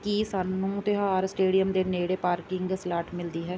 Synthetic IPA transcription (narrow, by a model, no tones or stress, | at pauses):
kiːsaːnũːt̪ɪɦaːɾsʈeːɖijəmd̪eːneːɽeːpaːɾkɪŋɡslaːʈmɪld̪iːɦɛː